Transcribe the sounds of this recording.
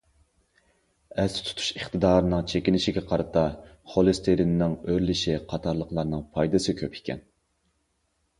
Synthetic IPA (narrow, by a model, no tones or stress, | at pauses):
ɛst̪ʰu̥t̪ʰu̥ʃəχt̪ʰɨd̪ɑːɾɨnɨŋt͡ʃʰekʲinɪʃiɡʲɛqʰɑɾɨt̪ʰɑχolˠɨst̪ʰeɾinnɪŋøɾlɪʃiqʰɑt̪ʰɑɾlˠəqlˠɑɾnɨŋpʰɑjd̪ɨsɨkʲʰøpʰi̥kʲʰɛ̰n